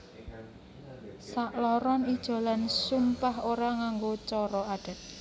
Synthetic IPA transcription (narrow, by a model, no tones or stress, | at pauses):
saʔlɔɾɔnid̥ʒ̥o̤lansumpahoɾaŋaŋɡot͡ʃɔɾɔaɖ̥a̤t̪̚